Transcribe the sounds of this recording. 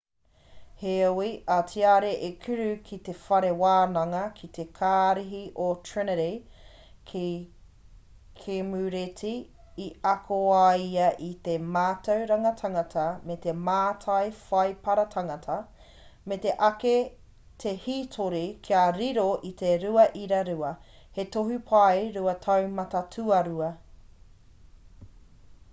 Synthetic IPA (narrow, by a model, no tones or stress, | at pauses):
heowiʔatʰiaɾeʔekʰʉɾʉkʰit̪efɐɾewaːnɐŋɐkʰit̪ekʰaːɾiɦiʔotʰɹɪneɾe | k | kʰemʉɾetiː | ɐkʰoajɐʔit̪emaːtɐwɾɐŋɐtʰɐŋɐtʰɐmet̪emaːtʰɐjfɐjpɐɾɐtʰɐŋɐtʰɐ | met̪eʔɐke | t̪ʰehiːtʰoɾikʰiaɾiɾoʔit̪eɾuɐʔiɾɐɾuɐ | hetoɦupʰɐjɾuɐtʰɐwmɐtɐtʰʉɐɾuɐ